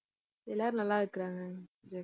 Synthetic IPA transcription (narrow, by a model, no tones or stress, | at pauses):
ɛlːaːɾnɐlːaːɾɯkːɪɾaːŋɡɐd͡ʒe